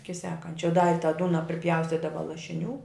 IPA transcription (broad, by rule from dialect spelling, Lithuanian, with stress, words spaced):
ˈɪkʲɪ ˈsʲæːkɐnʲt͡ʃʲɛ dɐ ɪ tɑː ˈduːnɐ pʲrʲɪˈpʲjɛʊsʲtʲiːdɐʋɐ lˠɐʃʲɪˈnʲuː